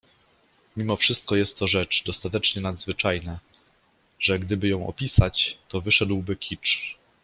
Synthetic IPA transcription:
mʲimɔfʂɘst̪̚kɔjɛst̪ːɔʐɛt͡ʂd̪ɔst̪at̪ɛt͡ʂɲɛnad̪zvɘt͡ʂajna | ʐɛɡd̪ɘbɘjɔ̃w̃ʔɔ̰pʲisat͡ɕt̪ɔvɘʂɛd̪wbɘkʲit͡ʂ

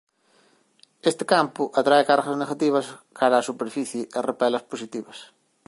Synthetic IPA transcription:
est̪ɪ̥kampʊʔat̪ɾaekaɾɣɐzneɣat̪iβɐskaɾaːsupeɾfiθjɪʔerepɛlɐsposit̪iβɐs

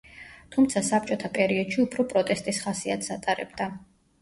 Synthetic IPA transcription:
t̪ʰumt̪sʰasap̚t͡ʃʼɔt̪ʰapʼɛɾiɔd̪̥ʃiupʰɾɔpʼɾɔt̪ʼɛst̪ʼisχasiat̪ʰsat̪ʼaɾɛ̰bd̪a

